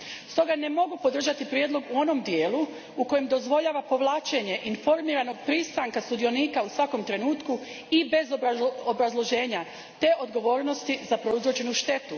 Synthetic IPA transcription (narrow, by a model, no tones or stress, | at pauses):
st̪o̞ɡane̞mo̞ɡupo̞d̪r̩ʒat̪ipɾje̞d̪lˠo̞ɡuo̞no̞md̪je̞ːlu | uko̞jemd̪o̞zʋo̞ʎaːʋapo̞ʋlˠaːt͡ʃeɲe̞ʔinfo̞ɾmiːɾano̞ɡpɾist̪ɾaŋkast̪ud̪io̞niːkausʋako̞mt̪ɾe̞nuːt̪ku | ibe̞zoobɾazlˠo̞ʒe̞ːɲa | t̪e̞ʔo̞d̪ɡo̞ʋo̞ːɾno̞st̪izapɾo̞izɾot͡ʃe̞nuʃt̪e̞t̪u